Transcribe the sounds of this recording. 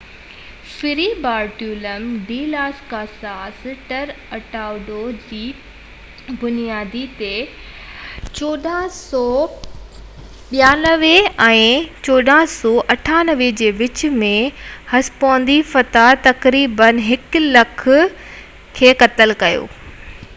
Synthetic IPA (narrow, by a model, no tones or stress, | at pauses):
fɪɾibaːɾʈjuːləmɖiːlaːskaːsaːsʈəɾ | ɐʈaːʊɖod͡ʑiː | bʊnijaːd̪it̪e | t͡ɕoːɗãsɔː | ɓijaːnɐʋeɛ̃ːt͡ɕoːɖãːsɔːʔɐʈʰaːnəʋed͡ʑeːʋɪt͡ɕmẽhɐspõːnd̪ifɐt̪at̪ɐkɾiːbənɦɪklɐkʰʊ̆ | kʰeːkɐt̪əlkɐjo̰ː